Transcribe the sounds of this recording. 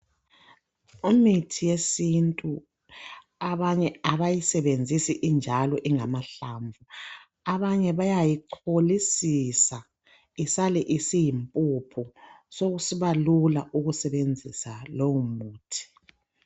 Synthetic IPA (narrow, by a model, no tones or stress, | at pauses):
umitʰijesintʼu | aβaɲɛaβajisɛβend͡zʱisiʔːnd͡ʒʱalɔʔiŋamaɬaɱvʱu | aβaɲɛβajajiǃʰolisisa | isalɛʔisijimpʼupʰusoɣusiβalulaʔuɣusɛβend͡zʱisalowumuːtʰi̥